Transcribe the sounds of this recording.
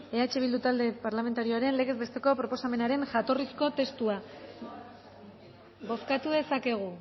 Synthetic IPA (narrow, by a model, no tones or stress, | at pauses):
e̞at͡ʃe̞βild̪ut̪ald̪e̞paɾlame̞nt̪aɾioaɾe̞nle̞ɣ̞e̞zβe̞st̪e̞ko̞pɾo̞po̞same̞naɾe̞nʝat̪o̞risko̞t̪e̞st̪ua | bo̞skat̪uðe̞sake̞ɣ̞u